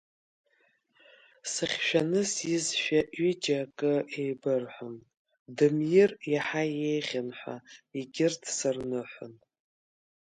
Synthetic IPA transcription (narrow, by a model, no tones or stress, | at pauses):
sɨχʲʃᶣanɨsjɪzʃᶣaʔɥid͡ʒakʼɨe̞jbɨrħʷʊn | dɨmjɪrjaħaje̞jʁʲanħʷa̰iɡʲɪrtʰsɨrnɨħʷʊ̰n